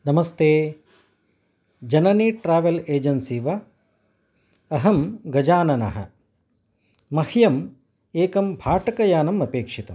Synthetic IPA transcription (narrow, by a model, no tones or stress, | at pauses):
nɐmɐst̪eː | d͡ʒɐnɐniːʈɾaːʋɐleːd͡ʒɐnsiːʋɐ | ɐɦɐmɡɐd͡ʒaːnɐnɐ̰ɦɐ̰ | mɐhjɐm | eːkɐmbʱaːʈɐkɐjaːnɐmɐpeːkʂit̪ɐm